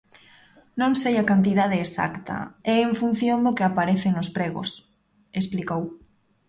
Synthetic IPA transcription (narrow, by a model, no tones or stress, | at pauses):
nõŋsejakant̪̬iðaðeːsa̰kt̪ɐ̰ɛeɱfun̟θjõnd̪okeapaɾeθeŋospɾeɣo̰s | esplikow